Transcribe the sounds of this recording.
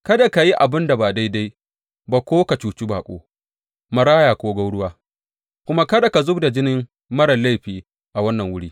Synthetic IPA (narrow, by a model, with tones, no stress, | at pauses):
kɐ˦da˨ka˨ji˦ʔa˨bɪ˦nda˨baː˨da˦jda˦j | baː˨kʷoː˦ka˨t͡ʃuː˨t͡ʃi˦baː˨kʷʼo̰ː˦ | mɐ˦ɾaː˦jaː˨kʷoː˦ɡa˦wɽʊ˦waː˦ | kʷʊ˦ma˦kɐ˦da˨ka˨zʊ˦bda˨d͡ʒɪ˦nɪ˦m | mɐ˦ɽɐ˨lːa˦jɸiː˨ | ʔa˨wɐ˦nːɐ˨ŋwʊ˦ɽiː˦